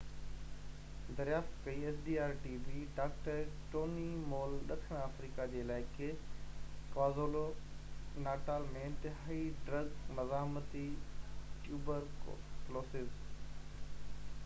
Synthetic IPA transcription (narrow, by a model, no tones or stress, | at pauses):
d̪ɐɾjaːft̪kɐieːsɖiːaːɾʈiːbiɖaːkʈəɾʈoːnimoːlɗɐk̪ʰəɽ̃aːfɾiːkad͡ʑeːlaːɪke | kʋaːzoːlo | naːʈaːlmẽɪ̃nt̪ɪɦaːiɖɾɐɡnɐzaːmət̪i | ʈjuːbəɾkloːsɪz